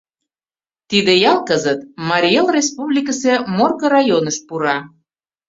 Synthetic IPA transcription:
t̪id̪ejɑlˠkəzət̪mɑɾʲielrʲespuβlʲikəsemorɣoɾɑjonəʃpuɾɑ

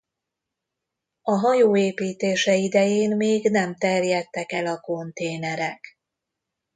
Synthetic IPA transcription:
ɒɦɒjoːeːpiːt̪eːʃɛid̪ɛjeːnmeːɡnɛmt̪ɛrjɛt̪ːɛkɛlɒko̞nt̪eːnɛɾɛk

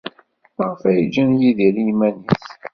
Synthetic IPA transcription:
ʁfæjd͡ʒːænjiðilimæniθ

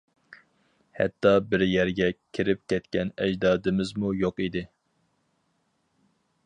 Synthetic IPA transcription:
hɛ̰t̪ːɑbɪɾjɛɾɡʲɛkʲʰiɾɪp̚kʲʰɛt̪kʲɛnɛd͡ʒd̪ɑːd̪ɪmɪzmujoqid̪ɪ

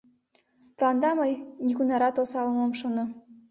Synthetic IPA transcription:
t̪lˠɑnd̪ɑmɤjnʲiɡunɑɾɑt̪osɑlˠmomʃonɤ̆

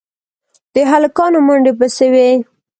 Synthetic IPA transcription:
d̪̥əɦalkɑnomaɳɖepəsewe

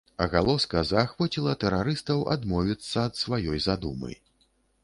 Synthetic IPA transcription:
ɐɣalˠɔskɐzaːxvɔt͡sʲilˠɐt̪ɛɾaɾɨst̪ɐwa̰d̪mɔvʲit̪sːɐːt̪svajɔjzad̪umɨ̰

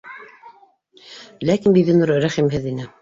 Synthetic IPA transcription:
lækinbiðinuɾɾæχimɦɘðinɘ

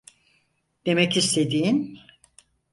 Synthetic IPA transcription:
d̪̥e̞mɛcist̪ʰe̞d̪iːin

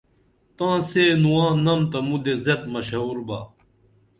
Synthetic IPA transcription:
t̪ãːseːnuwãːnɐmt̪ɐmud̪ezɐt̪̚mɐɕɐɦuːɾbaː

